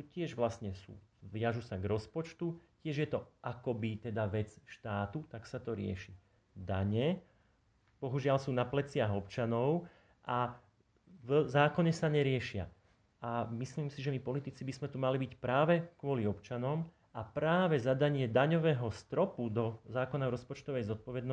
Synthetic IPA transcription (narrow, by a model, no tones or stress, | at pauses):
sucɪɛʒʋlasɲɛsṵːʋjaʒusaɡɾɔspɔt͡ʃt̪ucɪɛʒjɛt̪ɔʔakɔbit̪ɛd̪aʋɛt͡sʃt̪aːt̪ut̪aksat̪ɔɾɪɛ̰ʃi | d̪aɲɛ | b̥ɔɦuʒɪalsuːnaplɛt͡sɪaɦɔpt͡ʃanɔʊ | ʔa | vzaːkɔɲɛsaɲɛɾɪɛʃɪa̰ | amisliːmsiʒɛmipɔlit̪it͡sibizmɛt̪umalibicpɾaːʋɛkʋʊɔliɔpt͡ʃanɔm | ʔapɾaːʋɛzad̪aɲɪɛd̪aɲɔʋɛːɦɔst̪ɾɔpud̪ɔzaːkɔnaɾɔspɔt͡ʃt̪ɔʋɛjzɔt̪̚pɔʋɛd̪nɔ